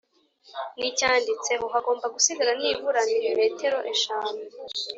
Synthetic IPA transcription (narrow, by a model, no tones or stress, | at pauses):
nicaːndit͡se̞βoɦaɡo̞ːmbaɡusiɡaɾanivuɾaniɾeme̞ːte̞ɾo̞ʔeʃaːne